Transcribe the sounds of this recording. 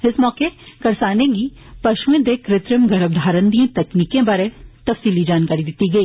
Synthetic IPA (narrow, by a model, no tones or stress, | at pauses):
ɪsmɔːkekɐɾsaːnẽɡi | pɐʃʋẽd̪ekɾɪt̪ɾəmɡɐɾəʋd̪ʱaːɾə̃nd̪iːẽt̪ɛkniːkẽbaːɾet̪ɐfsiːlid͡ʒaːnkaːɾid̪ɪt̪iɡɐiː